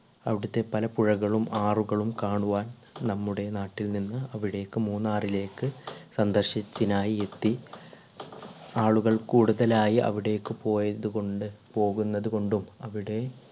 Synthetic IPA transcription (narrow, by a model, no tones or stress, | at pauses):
ɐʋiɽut̪ːe̞pɐlɐpuɻɐɣɐɭumaːruɣɐɭumkaːɳuʋaːn | nɐmːuɽe̞naːʈːilninːɨɐʋiɽe̞ːkːɨmuːnːaːrile̞ːkːɨsɐnd̪ɐrɕit͡ɕːinaːjie̞t̪ːi | aːɭuɣɐɭkuːɽuðɐlaːjiʔɐ̰ʋiɽe̞jkːɨpo̞ːjɐðukoɳɖɨpo̞ːɣunːɐðuko̞ɳɖumɐʋiɽe̞